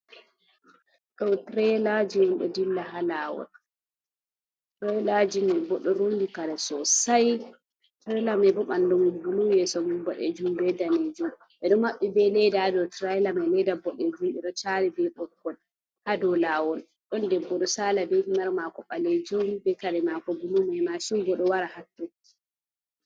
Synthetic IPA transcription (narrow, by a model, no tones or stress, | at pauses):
ɗɔtɾɛlad͡ʒiwumɓɛ̰dilːaɦalaːwɔ̰l | tɾajlad͡ʒimɛbɔɗɔɾonndikaɾɛsɔsaj | tɾɛlamɛbɔɓandɔmbulujɛsɔmubaɗɛ̰d͡ʒumbɛdaned͡ʒum | ʔɛɗɔmaɓːɛbɛlɛdadɔtɾajlamɛlɛdabɔɗɛd͡ʒumɛɗɔt͡ʃaɾibɛɓɔkːɔl | hadɔlaːwɔl | ɗɔndɛbːɔɗɔsaːlabɛhimaɾmakɔɓaled͡ʒumbɛkaɾɛmakɔbulumaɛmasiŋɡɔɗɔwaɾahatːukːi̥